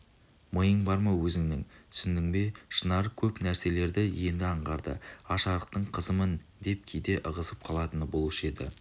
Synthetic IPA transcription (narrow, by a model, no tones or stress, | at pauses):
məjəɴbɑɾmɑwɵzɪŋnɪŋsʏnd̪ɪŋbe̞ʃənɑɾkʲʰɵpnæɾse̞le̞ɾd̪ɪje̞nd̪ɪɑɴʁɑɾd̪ə̰ɑʃɑɾəq̚t̪əɴqʰəzəmənd̪e̞p̚kʲʰejd̪e̞ʔəʁəsəp̚qʰɑlˠɑt̪ənəbo̞lˠəʃe̞d̪ɪ̰